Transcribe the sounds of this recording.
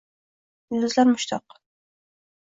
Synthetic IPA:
ɪlʊzlaɾmʊʃt̪ʰɒq

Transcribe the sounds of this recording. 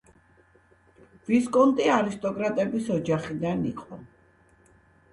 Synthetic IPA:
viskʼɔnt̪ʼiaɾist̪ʼɔkʼɾat̪ʼɛbisɔd͡ʒaχid̪anḭqʼɔ

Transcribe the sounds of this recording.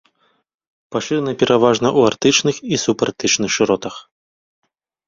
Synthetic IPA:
paʂɨɾnɐpʲɛɾʔavaʐnɐʔuart̪ɨt͡ʂnɨxisupart̪ɨt͡ʂnɨxʂɨɾɔt̪ɐx

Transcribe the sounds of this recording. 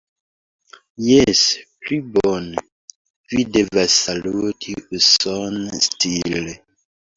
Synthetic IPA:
jesplibon | videvasːalutʰiusonstile

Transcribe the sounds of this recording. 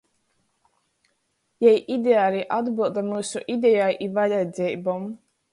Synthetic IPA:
jɛjʔid̪ʲeaːliʔad̪bɨlˠd̪amuːsuʔid̪ʲɛjajʔivalʲad̪zʲɛjbɔm

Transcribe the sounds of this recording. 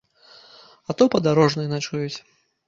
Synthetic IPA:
at̪ɔpɐd̪aɾɔʐnɨjnat͡ʂujut͡sʲ

